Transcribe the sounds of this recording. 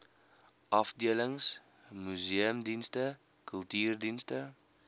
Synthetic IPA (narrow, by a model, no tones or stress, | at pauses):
ʔɑfdiələŋs | myziəmdinstə | kəlˠtyːrdinstə